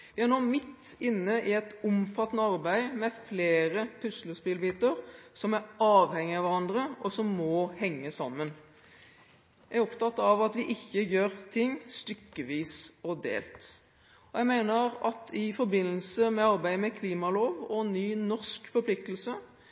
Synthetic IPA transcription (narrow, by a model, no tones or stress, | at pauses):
ʋɪhæɾnoːmɪt̪ːɪnːəʔɪɛt̪ʊmfɑt̪ːnəɑɾbæɪmɛfleːɾəpʰʉsləsbɪlbiːt̪əɾsɔmæɾɑːʋhɛŋːɪɑʋæɾɑnd̪ɾəʔɔsɔmːɔhɛŋːəsɑmːən | jææɾɔpt̪ɑt̪ːɑʋɑt̪ʋɪʔɪçːəjøːɾt̪ʰɪŋːst̪ʏkːəʋiːsɔd̪ḛːlt̪ | ɔjæɡmæɪnəɾɑt̪ʰɪfɔɾbɪnːəlsəmɛɑɾbæɪmɛkʰliːmɑloːʋɔnːyːnɔʂkfɔɾpʰlɪk̚t̪əlsə